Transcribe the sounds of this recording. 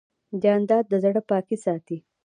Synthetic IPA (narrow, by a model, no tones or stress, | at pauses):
d͡ʒɑːnd̪ɑd̪̚ːəzaɽəpɑkisɑt̪i